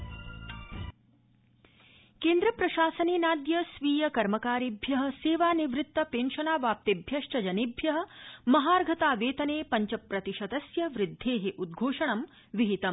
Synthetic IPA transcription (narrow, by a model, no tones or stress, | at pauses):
keːnd̪ɾɐpɾɐʃaːsɐneːnaːd̪jɐsʋiːjɐkɐɾmɐkaːɾibʱjɐɦɐ̆seːʋaːniʋɾɪt̪ːɐpeːnʃɐnaːʋaːp̚t̪ibʱjɐʂʈɐd͡ʒɐnibʱjɐɦɐ̆mɐɦaːɾɡʱɐt̪aːʋeːt̪ɐneːpɐɲt͡ʃɐpɾɐt̪iʃɐd̪ɐsjɐʋɾɪd̪ʱːeːɦeʔud̪̚ɡʱoːʂɐɳɐm | ʋiɦit̪ɐm